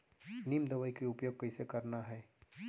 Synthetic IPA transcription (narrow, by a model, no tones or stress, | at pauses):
nimd̪ɐʋaikiʊpjoɡ̚kɐɪsekɐɾnaɦɛː